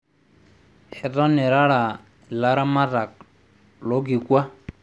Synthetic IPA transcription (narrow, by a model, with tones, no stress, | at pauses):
hɛ˨ta˦ne˨ɾa˦ɾa˨ | la˦ɾa˦ma˦ta˨k̚ | lo˦ɡi˨kwa˦